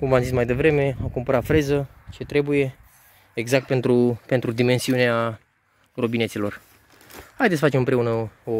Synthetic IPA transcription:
kumvamzismajd̪evɾe̞me̞amkumpəɾat̪fɾe̞zət͡ʃe̞t̪ɾe̞buje̞ | eɡzak̚t̪̚pe̞nt̪ɾupe̞nt̪ɾud̪ime̞nsiunea | robineselo̞r | hajd̪esəfat͡ʃemɨmpɾe̞unəo

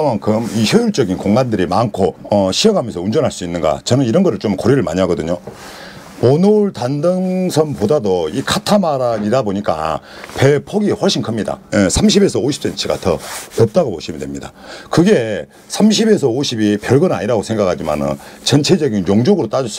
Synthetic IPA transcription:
maŋkʰɯmiçjʌjuɭt͡ɕ͈ʌɡinkoŋɡandɯɾimankʰoʌɕʰiʌɡamjʌnsʰʌund͡ʑʌnɦaɭs͈uinːɯnɡa̰t͡ɕʌnɯniɾʌnɡʌɾɯɭt͡ɕomkoɾiɾɯɭma̰ɲiɦaɡʌdɯɲo | ponoɭtandɯŋsʰʌnpodadoikʰatʰamaɾaɡiɾaboɲik͈a̰ | pe̞pʰʌɡiɸwʌɭɕ͈inkʰɯmɲida̰esʰamɕ̬ʰibe̞sʰʌoɕʰi̥p̚s͈ent͡ɕʰiɡa̰tʰʌʌp̚t͈aɡopoɕʰimidwemɲida̰kɯɡe̞ | sʰamɕ̬ʰibe̞sʰʌoɕʰibipjʌɭɡɯna̰ɲiɾaɡosʰe̞ŋɡakʰad͡ʑima̰nɯ̰nt͡ɕʌnt͡ɕʰe̞d͡ʑʌɡinjoŋd͡ʑoɡɯɾot͈ad͡ʑʌs͈

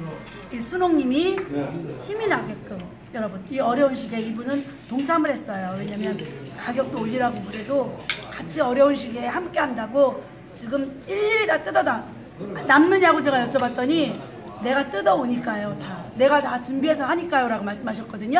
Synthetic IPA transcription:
isʰunoŋɲimi | çiminaɡe̞k͈ɯm | jʌɾʌbuniʌɾjʌunɕʰiɡe̞ibunɯn | toŋt͡ɕʰamɯɭɦe̞s͈ʌjowe̞ɲamjʌnkaɡjʌk̚t͈oːʎːiɾabobuɾe̞dokat͡ɕʰiʌɾjʌunɕ̬ʰiɡe̞hamk͈e̞ɦandaɡo | t͡ɕiɡɯmiʎːiɾidat͈ɯdʌda | namnɯɲaɡot͡ɕe̞ɡajʌt͡ɕ͈ʰʌbat̚t͈ʌɲi | ne̞ɡat͈ɯdʌoɲik͈ajotane̞ɡatat͡ɕumbiɦe̞s̬ʰʌhaɲik͈ajoɾaɡomaɭs͈ɯmɦaɕ̬ʰʌt̚k͈ʌdɯɲo

